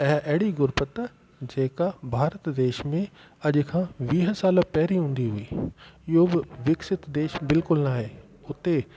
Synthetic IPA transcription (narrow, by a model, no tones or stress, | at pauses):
ɛɦʔɐɦɪɽiɡʊɾpət̪ | d͡ʑeːkabʱaːɾət̪d̪eːʃmẽ | ɐʄʊkʰãːʋiːɦəsaːləpɛɦɾiɦũːn̆d̪iɦuiːɪɦobɪʋɪksɪt̪d̪eːʃbɪlkʊlnaːɦeː | ʊt̪e